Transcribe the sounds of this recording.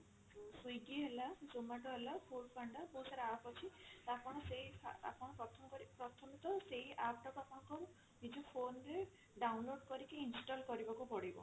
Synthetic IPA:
sujɡiɦelasomaʈɔɦelapʰuɾpʰaɳɖɔpowsaɾaapɔt͡ʃʰit̪apɔɽ̃ɔseɦia̰a̰pɔɽ̃ɔpɾɔt̪ʰɔmkɔɾipɾɔt̪ʰɔmit̪ɔseɦiʔapʈɔkapɔɽɔ̃ŋkɔ | nid͡ʒɔpʰonɾe | ɖawnloɖkɔɾikeinsiʈɔlkɔɾibakupɔɽibɔ̰

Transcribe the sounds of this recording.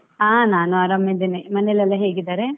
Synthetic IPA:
aːnaːnuaːɾɐmjɐd̪enemɐnelɐlːɐɦeːɡid̪aːɾe

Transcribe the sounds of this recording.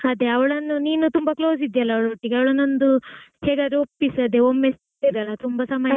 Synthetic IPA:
ɐd̪eɐʋɐɭɐnːuniːnut̪umbɐkloːsid̪jɐlːɐːwɭɐʈːiɡeɐʋɐɭɐnːond̪uheːɡad̪eopːisɐd̪eomːes | id̪jɐlːɐt̪umbɐsɐmɐ

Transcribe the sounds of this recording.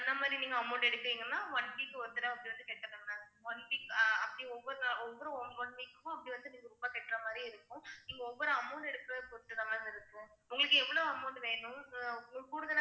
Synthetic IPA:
ɐnd̪ɐmaːd̪ɾiniːŋɡɐːmɐʊɳɖɛɽɯkːɯʋiːŋɡɐnːãːʋɐɳbikːɯɔɾt̪ːɐɾɐɐpːɐɽiʋɐnd̪ɯkeːʈːɐɾaŋɡɐnãːʋɐɳɖikːɐpːɐɽijɔʋːɔɾɔʋːɔɾɯɔmʋɐɳʋɪkːɯmʊ̃ɐpːɐɽiʋɐnd̪ɯniːŋɡɐɾʊmbaːkeːʈːɾɐmaːd̪ɾiɪɾɯkːʊ̃niːŋɡɐɔʋːɔɾɯɐmɐʊɳɖɛɽɯkːɯɾɐðpɔɾʈːɯðɐmaːɪɾɯkːɯ̃ʊŋɡɐɭɯkːɯɛʋːɐɭoːɐmɐʊɳɖɯʋeːɳʊ̃ | kuɽɯðɐna

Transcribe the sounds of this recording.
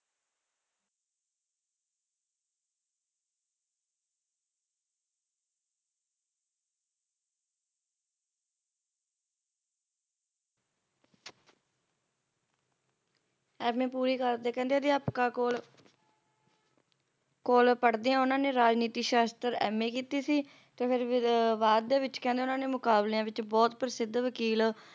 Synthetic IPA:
ɛːmẽːpuːɾiːkəɾd̪eːkɛ̃ːnd̪eaːd̪eːapkaːoːl | koːlpəɽd̪eːãːʊnãːneːɾaːd͡ʒniːt̪iːʃaːst̪əɾɛːmẽːkiːt̪iːsiː | t̪eːpʰɪɾʋaːd̪d̪eːʋɪt͡ʃkɛ̃nd̪eːʊnãːneːmʊkaːbleãːʋɪt͡ʃbɔːt̪pəɾɪsɪd̪ʋəkiːl

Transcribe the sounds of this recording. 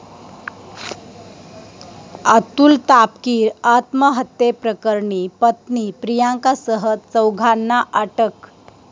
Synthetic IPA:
at̪uːlt̪apkiːɾat̪məɦət̪jepɾəkəɾɳipət̪nipɾijaŋkasəɦətt͡səwɡʱanːaʔəʈək

